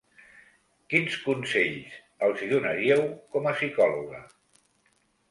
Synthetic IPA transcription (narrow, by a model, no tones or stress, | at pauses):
kinskunseʎs | əlˠziðunaɾiəwkɔməsikɔluɣə̰